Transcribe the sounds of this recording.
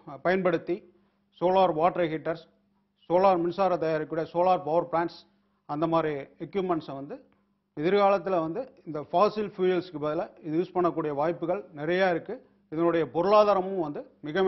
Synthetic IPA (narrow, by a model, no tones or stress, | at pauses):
pɐjɐnpɐɽɯt̪ːi | soːlaːɾʋaːʈɾɐɣɪʈːɐɾs | soːlaːɾmɪnsaːɾɐt̪ɐjaːɾɪkːuːɽɐjɐsoːlaːɾpɐʋɐɾpɭaːɳʈs | ɐnd̪ɐmaːd̪ɾiɛkːjuːpmɛɳʈsʋɐnd̪ɯ | ɪðɪɾɣaːlɐt̪ːɪlʋɐnd̪ɯɪnd̪ɐfaːsɪlfjuːjɐlskɯpːɐðɪlɐɪðɯjuːspɐɳːɐkːuːɽɪjɐʋaːjpːɯɣɐɭnɪɾɐjaːɪɾɯkːɯ | ɪðɐnɯɽɐjɐpɔɾɯɭaːðaːɾɐmɯ̃ʋɐnd̪ɯmɪɣɐ